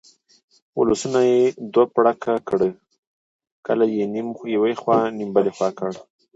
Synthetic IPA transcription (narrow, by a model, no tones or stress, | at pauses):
wʊləsunajed̪wapɽakʰakɽə | kəlajenmjawajxwɑnimbalexwɑkəɽ